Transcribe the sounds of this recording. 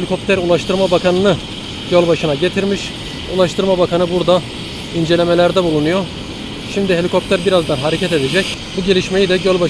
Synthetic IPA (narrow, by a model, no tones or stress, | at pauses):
lʲikʰo̞p̚t̪ʰæɾulˠaʃt̪ʰɯɾmabakʰanɯnɯ | ɟølʲbaʃɯnaɟe̞t̪ʰiɾmiʃ | ulˠaʃt̪ʰɯɾmabakʰanɯbuɾd̪a | ind͡ʒe̞lʲe̞me̞lʲæɾd̪ɛbulˠunujo | ʃimd̪iɦe̞lʲikʰo̞p̚t̪ʰæɾbiɾazd̪anɦaɾecʰɛt̪ed̪ed͡ʒɛcbuɟe̞lʲiʃme̞jid̪ɛɟølʲba